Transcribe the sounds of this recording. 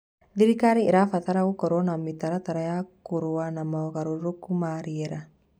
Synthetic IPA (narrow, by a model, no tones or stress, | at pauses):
d̪ɪɾikaɾiɪɾafɐt̪aɾaukɔɾɔnamːit̪ɐɾat̪ɐɾajakuɾuwanɐmaɔkaɾuɾʊkːumaɾiɛɾa